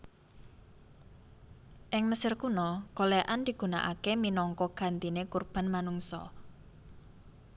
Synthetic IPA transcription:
ʔɪŋməsɪrkunɔkoleʔand̪̥i̤ɡ̥ṳna̰ʔa̰keminɔŋkɔɡ̥a̤nt̪inekurb̥a̤nmanuŋsɔ̰

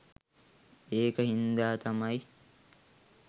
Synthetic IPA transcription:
eːkɐhind̪aːt̪ʰɐmɐj

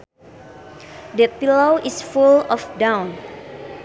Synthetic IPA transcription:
dəpilowʔisfulɔfdãwn

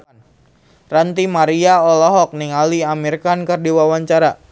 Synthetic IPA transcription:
n | rant̪imaɾiaɔlɔɦɔk̚niŋaliamirkankərdiwawaɲt͡ʃaɾa

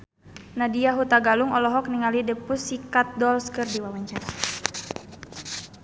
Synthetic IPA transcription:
nadiaɦut̪aɡaluŋɔlɔɦɔk̚niŋalidəpusːikat̪̚dɔlskɨrdiwawaɲt͡ʃaɾa

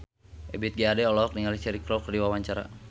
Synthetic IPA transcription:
ʔɛbit̪̚ɡiadɛɔlɔk̚niŋalit͡ʃɛɾikɾɔkrdiwawaɲt͡ʃaɾa̰

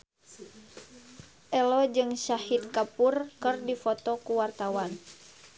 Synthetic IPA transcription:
ʔɛlɔd͡ʒɨŋʃahit̪̚kapurkɨrdifɔt̪ɔkuwart̪awan

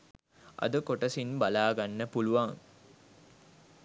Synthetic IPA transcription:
ʔɐ̰d̪əkoʈəsinbalaːɡanːəpuluʋaŋ

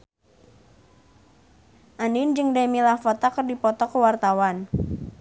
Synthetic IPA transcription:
ʔanind͡ʒɨŋdamilafɔt̪akərdipɔt̪ɔkəwart̪awan

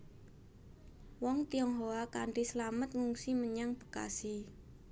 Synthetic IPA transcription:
wɔŋt̪iɔŋɦoakaɳʈisəlamət̪̚ŋuŋsiməɲaŋbə̥ka̰si

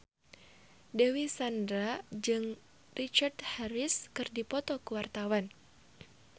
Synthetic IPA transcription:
dewisandɾad͡ʒɨŋ | rit͡ʃart̪haɾiskɨrdipɔt̪ɔkuwart̪awan

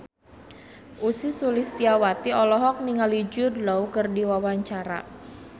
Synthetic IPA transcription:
ʔusisulist̪iawat̪iɔlɔɦɔk̚niŋalid͡ʒʊdlɔwkərdiwawaɲt͡ʃaɾa̰

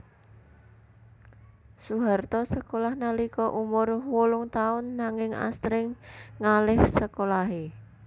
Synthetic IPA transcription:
suɦart̪ɔsəkolahnalikɔʔumʊrwʊlʊŋt̪aʊnːaŋɪŋa̰st̪ɾɪŋŋalɪhsəkolaɦe

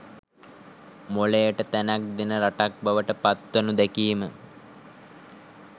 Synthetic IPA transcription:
molejəʈət̪ænak̚d̪enəɾaʈak̚baʋəʈəpat̪ʋənud̪ɛkiːmə

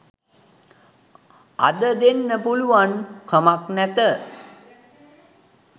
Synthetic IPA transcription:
a̰d̪əd̪enːəpuluʋankʰəmaknæt̪ə

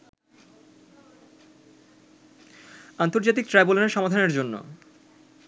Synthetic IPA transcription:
ant̪oɾd͡ʑat̪ik̚tʈɾajboloneʃɔmad̪ʱaneɾd͡ʑonːo̰

